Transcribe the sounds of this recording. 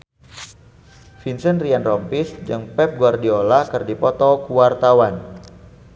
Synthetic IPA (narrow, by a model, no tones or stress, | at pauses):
finsənrianrɔmpisd͡ʒɨŋpɛp̚ɡuwardiolakɨrdipɔt̪ɔkuwart̪awan